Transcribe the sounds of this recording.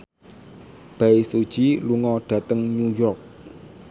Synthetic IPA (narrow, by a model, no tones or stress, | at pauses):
b̥aisud̥ʒ̥iluŋɔɖ̥ä̤t̪əŋɲujɔrk̚